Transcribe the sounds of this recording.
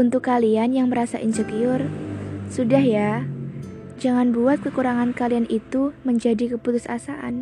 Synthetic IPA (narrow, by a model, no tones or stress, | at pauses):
unt̪ʊkːalianjaŋməɾasa̰ʔinsəkiʊrsudahja | d͡ʒaŋanbuat̪̚kəkuɾaŋankalianʔit̪uməɲd͡ʒadikəput̪ʊsa̰saʔa̰n